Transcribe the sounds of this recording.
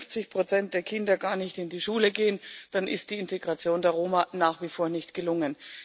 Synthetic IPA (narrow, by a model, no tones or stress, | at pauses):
ft͡sɪçpʁ̥ot͡sɛnt̚d̥eːɐkʰɪndɐɡaːɐnɪçtɪndiːʃuːləɡeːənd̥anʔɪ̰st̚d̥iːɪnteɡʁat͡sjoːndeːɐʁoːmanaːχv̥ifoːɐnɪçtɡ̥əlʊŋən